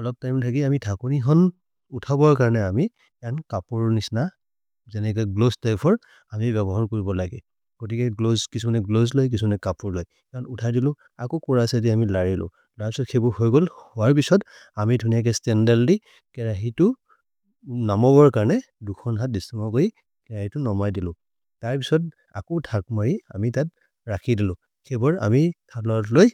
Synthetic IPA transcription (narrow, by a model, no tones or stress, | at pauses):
ɔlɔb̚tajmtʰakiamitʰakuniɦɔn | utʰabɔɹkaɹnɛami | ankapuɹnisna | zɛnɛk̬ɛɡloztajpʰɔɹ | amibɛbɔɦaɹkoɹibɔlaɡɛ̰ | ɡ̥otikɛɡlozkisumanɛɡlozlojk̬isumanɛkapuɹloj | kɔnutʰajdilʊ̃ | akɔkɔɹasɛd̬iamilaɹilʊ̰̃ | taɹpisɔtkʰebɔɹhojɡolhʊwaɹpisɔt | amidʰʱunijak̬ɛstɛndɛldi | kɛɹaɦitʊ | namɔbɔɹkaɹnɛ | dukʰɔnɦat̚distimɔkoji | kɛɹahitʊnɔmajdilʊ̃ | taɹpisɔt̚ | a̰kɔtʰak̚maɹiamitat̚ | ɹakʰidilʊ̃ | kʰebɔɹa̰mitʰalɔɹɔtloj